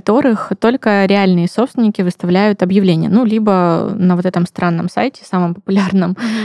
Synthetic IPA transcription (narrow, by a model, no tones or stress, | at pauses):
t̪o̞ɾɨxt̪o̞lʲkəɾʲɪalʲnɨjəso̞psʲɪnʲɪkʲɪvɨst̪ɐvlʲæjʊt̪ɐbjɪvlʲenʲɪjə̰nulʲibənəvo̞t̪ɛt̪əmst̪ɾʔanːə̰msa̰jtʲɪ̥saməmpə̥pʊlʲarnəm